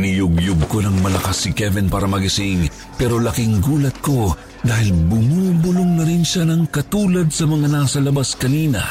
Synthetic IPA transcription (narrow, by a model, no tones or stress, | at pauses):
nɪjʊɡjʊɡ̚ko̞nɐŋmɐlɐkɐsːɪkɛvɪnpaːɾɐmɐɡɪsɪŋ | pɛːɾo̞lɐkɪŋɡuːlɐt̪̚ko̞ | d̪aːhɪlbʊmuːbʊloŋnɐɾɪnʃanɐŋkɐt̪uːlɐd̪̚sɐmɐŋanasɐlɐbaskɐniːnɐ̰